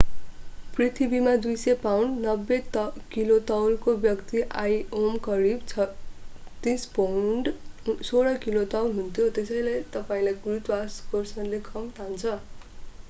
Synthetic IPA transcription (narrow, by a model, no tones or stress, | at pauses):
prit̪ʰibimad̪ujsepawɳɖnʌbːet̪kilot̪ʌwlkobjʌkt̪iʔajomkʌɾibt͡sʰ | t̪ĩspaɳɖsoɽʌkilot̪ʌwlɦunt̪ʰjot̪esʌjlejt̪ʌpaĩlajɡurut̪waskorsʌnlekʰʌmt̪ʰant͡sʰʌ